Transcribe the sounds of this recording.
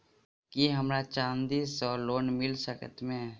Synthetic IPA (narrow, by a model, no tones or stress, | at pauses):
kiɦəmɾat͡ʃãːnd̪iːsɔːɾloːnmɪlsəkə̰t̪mẽ